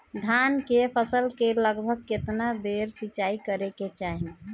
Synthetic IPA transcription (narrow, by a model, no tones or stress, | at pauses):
d̪ʱankepʰəsəlkeləɡbʱəɡ̚ket̪nabeɾsit͡ʃaikəɾeket͡ʃaɦine